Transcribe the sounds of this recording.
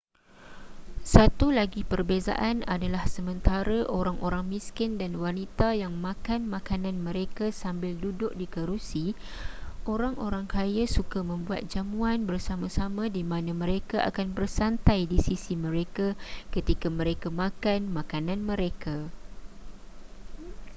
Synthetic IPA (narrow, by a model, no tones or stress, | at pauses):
sat̪ulaɡipərbeza̰ʔana̰dalahsəmə̃nt̪aɾaʔoɾaŋʔoɾaŋmĩskɪndanwanit̪ajaŋmãkanmãkanãnmə̃ɾekasambɪldudʊk̚dikəɾusi | ʔoɾaŋoɾaŋkʰajasukamə̃mbua̰t̪̚d͡ʒamuanbərsamãsamãdimãnãmə̃ɾekaʔa̰kanbərsant̪ajdisisimə̃ɾekakət̪ikamə̃ɾekamãkanmãkanãnmə̃ɾeka